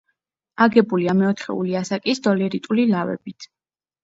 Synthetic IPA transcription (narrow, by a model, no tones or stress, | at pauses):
aɡɛbuliamɛɔt̪ʰχɛ̰ṵliasakʼisd̪̥ɔlɛɾit̪ʼulilavɛ̰bit̪ʰ